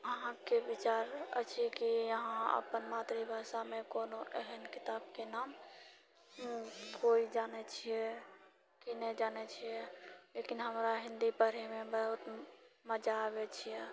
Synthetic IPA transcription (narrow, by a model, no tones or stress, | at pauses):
əɦãkebit͡ʃaɾə̰t͡ʃʰiɛkijəɦãə̰pənmat̪ɾibʱasamekonoʔɛɦɛnkit̪ab̚kenam | koid͡ʒanɛt͡ʃʰijɛ | kinɛd͡ʒanɛt͡ʃʰijɛlekinɦəmɾaɦĩnd̪ipəɾimebəɦut̪məd͡ʒaβet͡ʃʰijɛ